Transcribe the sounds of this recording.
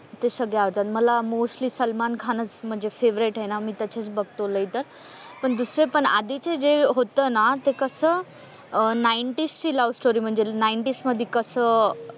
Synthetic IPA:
t̪esəɡɭjaʋəɾt̪at̪məlamosʈliːsəlmankʰanət͡sm̤əɳd͡zefeʋɾeʈɦenamiːt̪ət͡ɕʰet͡sbəɡ̚t̪oləjt̪əɾ | pəɳd̪usɾepəɳa̰d̪it͡sed͡zeɦot̪əːnat̪ekəsəː | najɳʈist͡ɕiːləʋsʈoɾiːm̤əɳd͡zenaiɳʈisməd̪ʱːekəsəː

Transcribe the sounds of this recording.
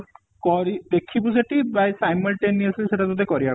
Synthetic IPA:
kɔɾid̪ekʰibusaʈibajsajmɔlʈeniaslseʈat̪ot̪ekɔɾia

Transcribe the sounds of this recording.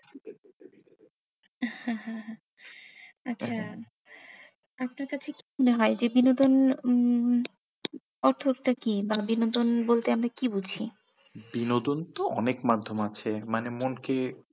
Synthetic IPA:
hãɦãɦ | atːɕʰa | apnaɾkat͡ɕʰekimuneɦɔed͡ʑebinod̪on | ɔɾt̪ʰoɾʈakibabinod̪onbolt̪eamɾakibud͡ʑʱʰi | binod̪ont̪oɔnekmad̪ʱːomat͡ɕʰemanemonke

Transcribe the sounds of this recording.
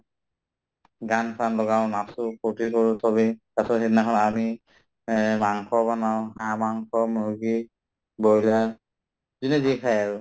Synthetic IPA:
ɡanpʰanlɔɡaʊ̃nasʊpotikoɹutʰɔβikasɔhetnaxʰɔnami | maŋkʰɔbanawɦamaŋkʰɔmuɡi | bola | zinɛzikʰajaɹʊ

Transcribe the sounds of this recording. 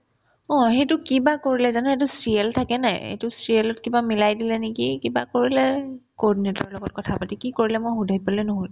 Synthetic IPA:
ɔ̃ɦetʊkibakoɹilɛzanɛhet̬ʊsɹiɛltʰakɛnajḛtʊsɹielɔtkibamilajdilɛnekikiba̰koɹilɛkɔdinetɔ̰ɹlɔɡɔt̚kɔtʰapatikikoɹilɛmojxudʱapalɛnɔɦoj

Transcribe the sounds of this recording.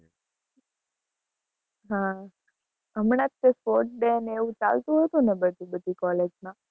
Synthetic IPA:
ɦã | əmɳ̃ãt̪̚kespoɾʈ̚ɖeneʋũt͡ʃa̰lt̪ũɦət̪ũnebət̪ĩbəd̪ʱikɔled͡ʒmã

